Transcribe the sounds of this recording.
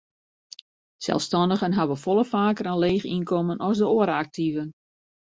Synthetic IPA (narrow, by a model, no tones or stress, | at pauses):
sɛ̰lˠfstɔndəɣənɦabəfɔlˠəfaːkərənleːxinkʰɔmənɔsdəoəɾak̚tʰivən